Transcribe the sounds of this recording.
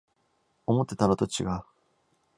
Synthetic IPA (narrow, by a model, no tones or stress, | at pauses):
o̞mo̞t̪ːe̞t̪anot̪o̞t͡ɕiɡaɯ